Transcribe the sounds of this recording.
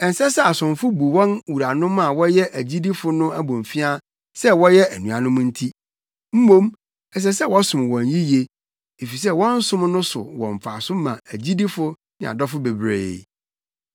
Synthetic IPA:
ɛ˨n˨sɛ˦sɛ˦a˨sʊ̃˨mfʊ˦bu˨wɔ̃˦nwu˨ɾa˨nʊ̃˦mã˨wɔ˦jɛ˦ʔæ˨d͡ʑi˦di˦fʊ˨˦nʊ̃˦æ˦bõ˨ɱ˨fi˦a˦ | sɛ˦wɔ˦jɛ˦ʔæ˨nũ˨a˨nʊ̃˦m̃˦n̩˦tʰi˦ | m̩˦mõ˦m | ɛ˨s̬ɛ˦s̬ɛ˦˨wɔ˦sʊ̃˨m˨wɔ̃˨n˨ji˦je˦ | e˨fi˨s̬ɛ˦˨wɔ̃˦n̩˦sʊ̃˦mnʊ̃˦sʊ̰˨wɔ̰̃˨ɱ˨fa˨sʊ˦mã̰˨æ˨d͡ʑi˦di˦fʊ˦ | nɪ̃˨a̰˨dɔ˦fʊ˦be˨bɾḛ˨

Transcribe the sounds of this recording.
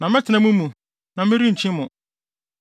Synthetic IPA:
nã˨mɪ˦tʰɪ˨nã˦mũ˦mũ˨ | nã˨mɪ̃˦ɾi˦ɲ̩ʰ˨ɪ̃˦mʊ̃˨

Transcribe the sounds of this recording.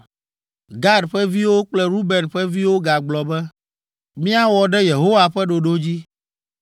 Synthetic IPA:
ɡa˦ɖɸɛ˦vi˦wo˦k͡plɛ˦ɾu˦bɛ˨nɸɛ˦vi˦wo˦ɡa˨ɡ͡blɔ˨bɛ˦ | mĩ˦a˦wɔ˨ɖɛ˦je˨ɦo˦wa˨ɸɛ˦ɖo˨ɖo˦d͡ʑi˦

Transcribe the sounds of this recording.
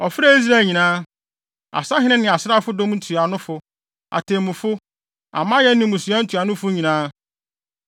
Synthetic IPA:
ɔ˨fɾa˦i˦s̬ɾa˦˨ɲĩ˨nãː˦ | a̰˨sa˦ɦɪ̃˦nɪ̃˦nɪ̃˨a˨sɪ˦ɾa˦fʊ˦dõ˦m˦n̩˦tʰu˨a˨nʊ̃˦fʊ˦ | a̰˨tʰẽ˨mʊ̃˨fʊ˦ | a̰˨mã˦jɛ˦nɪ̃˨˦mũ˨su˨˦ã˦n̩˦tʰu˨a˨nʊ̃˦fʊ˦ɲĩ˨nãː˦

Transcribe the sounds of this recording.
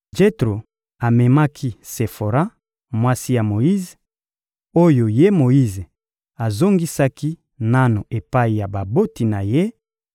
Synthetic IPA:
d͡ʒe˦tʁo˨ | a˨mɛ˨ma˦kʰi˦se˨fo˨ɾa˦ | mwa˦si˦ja˨mo˨ji˦z | o˦jo˨je˦mo˨ji˦ze˨ | a˨zo˦ŋɡi˦sa˦ki˦ | na˦no˨ʔe˨pa˦i˨ja˨ba˨bo˦ti˨na˨je˦

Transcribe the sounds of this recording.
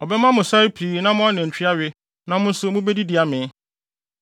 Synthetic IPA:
ɔ˨bɛ˦mã˦mʊ̃˨sa˦ɾpʰiː˨˦nã˦mʊ̃˦a˦nɪ̃˨n̩˨t͡ɕᶣʰi˦a˦ɥɪ˦ | nã˦mʊ̃˦n̩˦sʊ˦mʊ̃˦bɛ˦di˦dɪ˨a˨mɪ̃˨˦

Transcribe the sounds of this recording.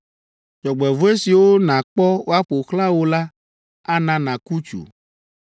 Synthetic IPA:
d͡ʒɔ˨ɡ͡bɛ˨vo˦e˦si˨wo˦nã˨k͡pɔ˦wo˦a˦ɸo˨xlã˦wo˦la˦ | a˦nã˨nã˨ku˦t͡ʃṵ˨

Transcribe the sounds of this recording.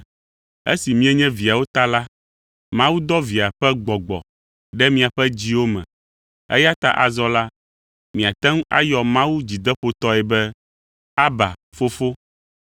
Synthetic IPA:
ḛ˦si˨mĩ˦ɛ˦ɲɛ̃˦vi˨a˨wo˦t̪a˦la˦ | mã˦wu˦d̪ɔ˦vi˨a˨ɸɛ˦ɡ͡bɔ˨ɡ͡bɔ̰˨ | ɖɛ˦mĩ˦a˨ɸɛ˦d͡ʑi˦wo˦mɛ̰̃˨ | ɛ̰˦ja˦t̪a˦ʔa˨zɔ˦la˦ | mĩ˨a˨t̪ɛ̃˦ŋ˦a̰˦jɔ˨mã˦wu˦d͡ʑi˨d̪ɛ˦ɸo˦t̪ɔ˦ɛ˨bɛ˦ | a˦ba̰˨fo˦fo˦

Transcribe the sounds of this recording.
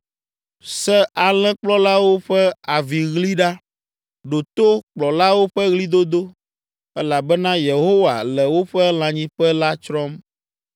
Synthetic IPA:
sɛ˦ʔa˨lɛ̃˦k͡plɔ˦la˦wo˦ɸɛ˦a˨vi˨ɣli˦ɖa˦ | ɖo˨t̪o˦k͡plɔ˨la˦wo˦ɸɛ˦ɣli˦d̪o˦d̪o˦ | ɛ˦la˨bɛ˦nã˦je˨ɦo˦wa˨lɛ˨wo˦ɸɛ˦l̃ã˨ɲĩ˦ɸɛ˦la˦t͡ʃɾɔ˦m

